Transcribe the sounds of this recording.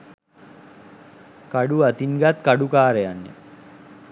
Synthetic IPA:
kaɖuat̪inɡat̪kaɖukaːɾeanːḛ

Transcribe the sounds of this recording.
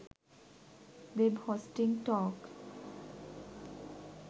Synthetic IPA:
ʋebhoːsʈɪ̃ŋɡʈɔːk

